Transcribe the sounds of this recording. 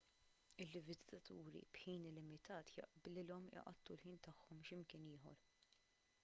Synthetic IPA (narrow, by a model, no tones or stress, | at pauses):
ɪlːɪvɪzɪ̥t̪ɐt̪ṵːɾḭbħiːnɪlɪmɪt̪ɐːt̪jɐ̰ʔblɪlɔmɪ̰ʔɐ̰t̪ːulħiːnt̪ɐħːɔmʃɪmkɪnɪːɦɔ̰ɾ